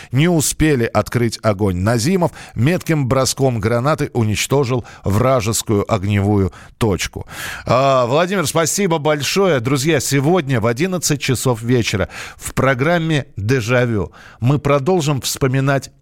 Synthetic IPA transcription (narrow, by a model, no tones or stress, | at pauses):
nʲɪʊspʲelʲɪʔɐt̪kɾɨtʲɐɡo̞nʲnɐzʲiməfmʲe̞t̪kʲɪmbɾɐsko̞mɡɾɐnat̪ɨʔʊnʲɪt͡ɕt̪o̞ʐɨlˠvraʐɨskʊjʊʔɐɡnʲɪvujʊ | t̪o̞t͡ɕkʊ̰avlˠɐdʲimʲɪrspɐsʲibəbɐlʲʂo̞jəd̪ɾʊzʲjasʲɪvo̞dʲnʲəvɐdʲinət̪sɨt̚ʲt͡ɕɪso̞fvʲet͡ɕɪɾə̰fpɾɐɡɾamʲːɪd̪ɨʐɐvʲomɨpɾɐd̪o̞lˠʐɨmfspəmʲɪnatʲ